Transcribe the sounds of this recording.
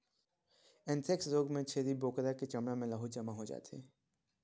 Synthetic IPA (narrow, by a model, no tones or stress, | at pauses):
ɪ̃nt̪ʰeksɾoːɡmẽt͡ʃʰeːɾiboːkɾaket͡ʃəmɽamẽləɦud͡ʒəmaɦod͡ʒa̰ːt̪ʰḛː